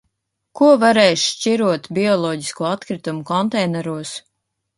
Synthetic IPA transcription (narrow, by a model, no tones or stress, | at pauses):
kuɔvaɾɛjʃʃt͡ʃiɾuɔt̪bʲiɔlˠɔːɟi̥skuɔat̪kɾit̪umukɔnt̪ɛjnɛɾuɔs